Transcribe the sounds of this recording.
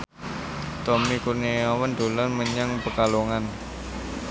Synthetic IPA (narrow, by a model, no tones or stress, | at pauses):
t̪ɔmikuneawənd̪̥o̤lanməɲaŋpəkaloŋan